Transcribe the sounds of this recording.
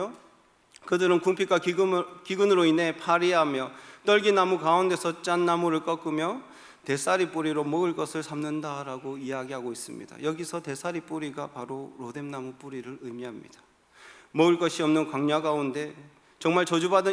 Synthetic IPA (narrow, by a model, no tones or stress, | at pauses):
kɯdɯɾɯnkuŋpʰik͈akiɡɯnɯɾoinɦe̞pʰaɾiɦamjʌt͈ʌɭɡinamukaunde̞sʰʌt͡ɕ͈anːamuɾɯɭk͈ʌk͈ɯmjʌ | te̞s͈ʰaɾip͈uɾiɾomʌɯɭk͈ʌsʰɯɭsʰamnɯndaɾaɡoiɦaɡiɦaɡois͈ɯmɲḭda̰jʌɡisʰʌte̞sʰaɾip͈uɾiɡapaɾoɾode̞mnamup͈uɾiɾɯɾɯmiɦamɲḭd̥ḁ | mʌɯɭk͈ʌɕʰiʌmnɯnkwaŋɲaɡaunde̞ | t͡ɕʌŋmaɭt͡ɕʌd͡ʑubadɯ